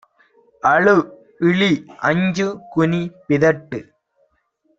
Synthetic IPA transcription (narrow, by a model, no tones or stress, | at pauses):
ɐɭɯ | ɪɭiʔɐɲd͡ʒɯkʊnipɪðɐʈːɯ